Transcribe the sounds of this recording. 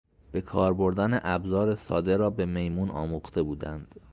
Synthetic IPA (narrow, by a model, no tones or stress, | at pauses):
b̥e̞kʰɒːɾbo̞ɾd̪æneʔæbzɒːɾe̞sɒːd̪e̞ɾɒːbe̞me̞jmuːnɒ̰ːmuχt̪ʰe̞buːd̪ænd̪̥